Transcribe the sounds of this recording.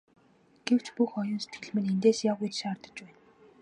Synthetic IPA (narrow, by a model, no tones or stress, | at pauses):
ɡ̥ew̥t͡ɕpuxɔjʊ̆nse̥t̪̚ɡɘ̆ɮmɘ̆nent̪eːsjawɣujt͡ɕʃːrt̪ə̆t͡ɕpæːn